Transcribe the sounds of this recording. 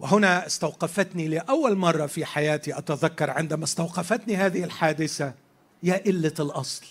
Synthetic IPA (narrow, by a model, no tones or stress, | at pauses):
wɪɦʊnaɪst̪awqɑfat̪nilɪʔawːalmɑrˤːɑfiħajaːt̪iʔat̪aðakːɑɾˤʕɪnd̪amast̪awqɑfat̪nihaːðɪhɪlħaːd̪ɪθa | jaːʔɪlːalʔɑsˤl